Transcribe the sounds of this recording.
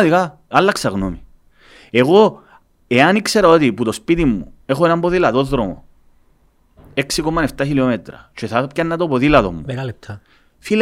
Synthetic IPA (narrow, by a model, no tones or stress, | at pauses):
ðika | ɐlːɐksɐɣnomi | eɣo̞ | eɐnikse̞ɾɐot̪iput̪o̞spit̪imːue̞xo̞enɐmboðilɐðo̞ðɾo̞mo̰ | eksikomːɐne̞ft̪ɐçilio̞met̪ɾɐ̰t͡ʃeθɐpcɐnːɐt̪opoðilɐðo̰mːul̚t̪ | fil